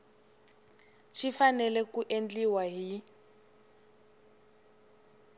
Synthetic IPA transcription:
ʃifanɛlɛkuʔend͡ɮiwaɦi

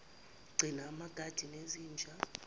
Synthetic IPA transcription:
ɡ͡ǀʱinaːmaɡ̥ʱad̥ʱineziːnd͡ʒʱa

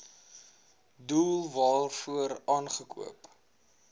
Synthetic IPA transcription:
duːlˠvɑːlˠfuəɾɑːnχəkṵəp

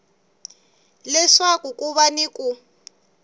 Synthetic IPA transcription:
lɛʂakukʼuβaniku

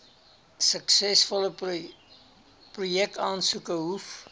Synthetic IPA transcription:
səksɛsfɔlə | prujɛk̚tɑːnsukəɦuf

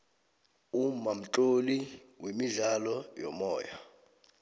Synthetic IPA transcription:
umam̩tʼoliwemiɮalɔjɔ̰mɔːja

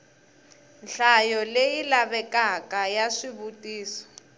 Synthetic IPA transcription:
nɬajɔlejilaβɛkakajaʂiβutʼiːsɔ̥

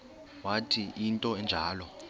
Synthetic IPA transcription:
watʰiʔintʼɔɛnd͡ʒʱaːlɔ

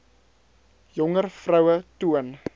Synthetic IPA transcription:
jɔŋərfrəwətuən

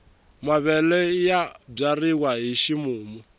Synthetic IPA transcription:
maβɛlɛjab͡ʐarikwaɦiʃimuːmɔ

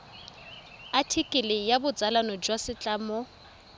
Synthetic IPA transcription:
atʰikʼɪlɪjabʊd͡zalanɔd͡ʒwasɪt͡ɬʼaːmɔ

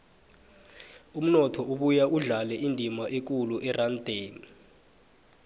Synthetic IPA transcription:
um̩nɔtʰɔuɓujaʔuɮalɛʔindʱimaʔek̬uluʔɛrand̥ʱeːni

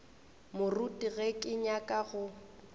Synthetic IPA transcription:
mʊrutʼiɣɛkʼɪɲakʼaɣʊ

